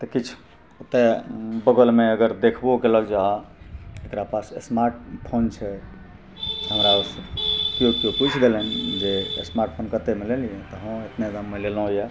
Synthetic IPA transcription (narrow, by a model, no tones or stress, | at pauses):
t̪əkit͡ʃʰ | ot̪ebəɡəlmeəɡəɾd̪ekʰbokeləɡd͡ʒa | ekɾapasesmaɾʈpʰont͡ʃʰɛ | ɦəmɾaosəkijokioput͡ʃʰd̪elnd͡ʒḛsmaɾʈ̚pʰonkət̪emeleliẽt̪əɦə̃et̪ned̪əmːəlelõja